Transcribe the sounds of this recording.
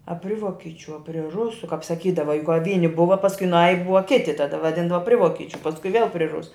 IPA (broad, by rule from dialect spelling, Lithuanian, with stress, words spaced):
ɐ ˈpʲrʲɪ ˈʋoːkʲɪt͡ʃʲʊ ɐ pʲrʲɪ ˈrʊsʊ kɐp sɐˈkʲiːdɐʋɐ jʊk kɐ ˈʋʲiːnʲɪ ˈbʊʋɐ pɐsˈkʊɪ ˈnɑːjɪ ˈbʊʋɐ ˈkʲɪtʲɪ tɐˈdɐ ʋɐˈdʲɪndɐʋɐ ˈpʲrʲɪ ˈʋoːkʲɪt͡ʃʲʊ pɐsˈkʊɪ ʋʲeːlˠ pʲrʲɪ ˈrʊsʊ